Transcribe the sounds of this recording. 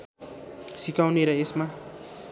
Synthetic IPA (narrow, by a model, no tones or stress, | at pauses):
sikawneɾʌesma